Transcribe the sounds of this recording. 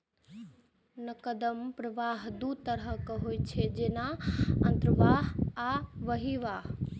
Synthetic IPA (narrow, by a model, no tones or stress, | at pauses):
nəkəd̪əmpɾɐʋaːɦd̪ut̪əɾəkəɦoːit͡ʃʰed͡ʒenaə̃nt̪ɾʋaːɦaʋəɦiʋaːɦ